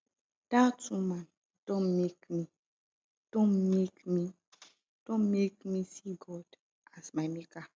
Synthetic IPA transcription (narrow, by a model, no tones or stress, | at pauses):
d̥atumãn | d̥ɔ̃nmekmi | d̥ɔ̃nmekmi | d̥ɔ̃nmekmisiɡɔd | ʔasmajmika